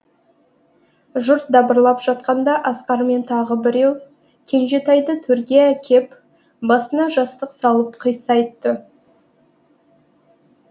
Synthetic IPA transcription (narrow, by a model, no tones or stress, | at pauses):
ʒʊɾt̪̚d̪ɑbəɾlˠɑpʒ̥ɑt̪̚qɑnd̪ɑʔɑsqɑɾme̞nt̪ʰɑʁəbɪɾe̞w | kʲʰe̞nʒe̞t̪ɑjd̪ət̪ʰɵɾɡʲijakʲʰe̞p | bɑsənɑʒɑst̪əqsɑlˠəpqʰəjsɑjt̪ːə